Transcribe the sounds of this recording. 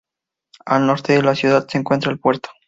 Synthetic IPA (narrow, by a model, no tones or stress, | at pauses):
alnoɾt̪eðelasjuðad̪seːŋkwe̞nt̪ɾalpwe̞ɾt̪o̥